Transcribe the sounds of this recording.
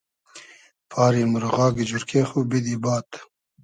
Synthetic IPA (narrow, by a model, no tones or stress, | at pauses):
pʰɑːɾimuɾɣɑːɡid͡ʒuɾkʰeːxubid̪ibɑːt̪